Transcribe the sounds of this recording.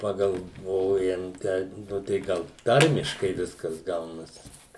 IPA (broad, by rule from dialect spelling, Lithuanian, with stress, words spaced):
pɐɡɐlˠˈʋoːjɛm ˈtʲɛɪp ˈnʊ tɐɪ ˈɡɐlˠ ˈtɐrʲmʲɪʃkɐɪ ˈʋʲɪskɐs ˈɡɐʊnɐs